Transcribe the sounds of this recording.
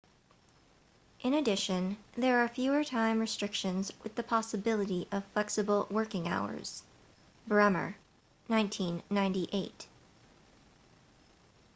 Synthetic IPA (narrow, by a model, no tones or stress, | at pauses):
ʔɨ̃nɨdɪʃɨ̃nðə˞ːfjʉə˞tʰãɪ̃mɹɨstɹ̥ɪkʃɨ̃nzwɨðɨpʰɑsɨbɪlˠəɾiʔʌv̥flɛksɨbl̩ˠwɜ˞kɪ̃ŋa̰ʊə̰˞z̥ | bə˞ɛmə̰˞ | nãɪ̃ntʰĩnːãɪ̃ntiʔeɪt